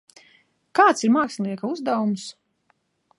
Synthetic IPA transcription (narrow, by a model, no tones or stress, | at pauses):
kaːt̪siɾmaːksʲlʲˠiɛkauzd̪awums